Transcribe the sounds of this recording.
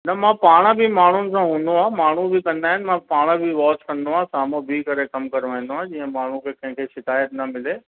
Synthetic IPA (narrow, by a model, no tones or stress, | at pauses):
nəmãpaːɽ̃əbʱɪmaːɳ̤ʊnɪ̆sãɦũːnd̪oaːmaːɳ̤ubʱɪkɐ̃nd̪aːɦɪnɪ̆mãpaːɽ̃bʱiʋɔːt͡ʃkɐ̃nd̪oaːsaːmobʱikɐɾekɐmkɐɾʋãːĩn̆d̪oaːd͡ʑiːə̃maːɳ̤ukʰekɐ̃ɦɪ̃kʰeʃɪkaːjət̪nɐmɪleː